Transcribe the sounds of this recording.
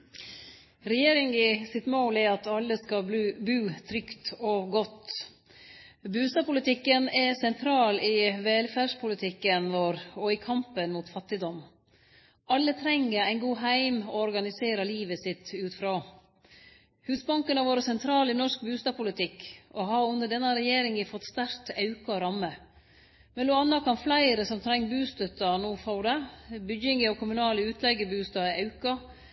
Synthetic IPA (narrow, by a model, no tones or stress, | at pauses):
ɾɛjeːɾɪŋɪsɪt̪moːlɪɑt̪ɑlːəskɑːbʉːt̪ʰɾʏkt̪ɔɡɔt̪ː | bʉːst̪ɑːpʊlɪt̪ʰɪkːənɛsɛnt̪ʰɾɑːlɪʋɛlfæːʂpʰʊlɪt̪ʰɪkːənʋɔɾɔɪkʰɑmpənmuːt̪fɑt̪ːɪd̪ɔm | ɑlːət̪ʰɾɛŋːəɾæɪnɡuːɦæɪmɔɔɾɡɑnɪseːɾɑliːʋəsɪt̪ʉːt̪fɾɑː | hʉːsbɑŋkənɑʋoːɾəsɛnt̪ʰɾɑːlɪnɔʂk̚bʉːst̪ɑːpʊlɪt̪ʰɪkɔɦɑɾʉnəɖɛnːɑɾɛjeːɾɪŋəfɔt̪st̪æɾt̪ɑʉkɑɔɾɑmːə | mɛnluːɑnːɑkʰɑnflæɪɾəsɔmt̪ʰɾɛŋːbʉːst̪œt̪ːɑnuːfɑʊd̪əbʏɡɪŋəɔkʰʊmʉnɑːləʉːt̪ʰlɛɡəbʉːst̪ɑːʔɑʉkɑ